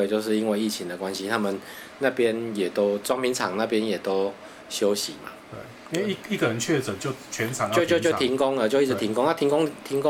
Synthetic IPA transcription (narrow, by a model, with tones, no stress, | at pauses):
t͡ɕjo˥˧ʊʂ̬ɻ̩˥˩i˦nwe˥˧i˥˩t͡ɕʰi˨˥ŋd̪ə˨kwa˦nɕi˦t̪ʰa˦˥mə˨n | na˥˧pjɛ˦njɛ˨˩t̪o˦˥ʊt͡swɑ˥ŋpʰi˧˥ŋt͡sʰɑ˨˩ŋna˥˧pjɛ˦njɛ˨˩t̪o˦˥ʊ | ɕjo˦ʊɕi˨˦ma̰˨t̪wḛ˥˩i˦nwe˥˩i˥˩i˥˩ɡə˨ɻə˨˦nt͡ɕʰɥɛ˥˨˩t͡sə˨˩nt͡ɕjo˥˨ʊt͡ɕʰɥɛ˨˦nt͡sʰɑ˨˦ŋt͡ɕjo˥˧t͡ɕjo˥˧t͡ɕjo˥˧ʊ˨t̪ʰi˧˥ŋko˦˥ŋlə˨˦t͡ɕjo˥˧ʊi˥˩t͡s̩˧t̪ʰi˨˧˥ŋko˥˦ŋna˥˧t̪ʰi˧˥ŋko˥ŋt̪ʰi˧˥ŋko˦